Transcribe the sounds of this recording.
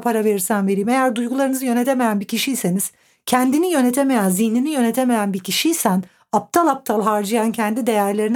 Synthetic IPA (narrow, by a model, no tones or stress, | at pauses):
pʰaɾave̞ɾiɾsænve̞ɾiːme̞jæɾd̪ujɡulˠaɾɯnɯzɯjø̞net̪ʰeme̞jænbicʰiʃijse̞niz̥ | cʰænd̪inijø̞net̪ʰe̞me̞jænzihninijø̞net̪ʰe̞me̞jænbicʰiʃijsæn | ap̚t̪ʰalˠap̚t̪ʰalˠɦaɾd͡ʒɯjancʰɛnd̪id̪e̞jæɾlʲe̞ɾin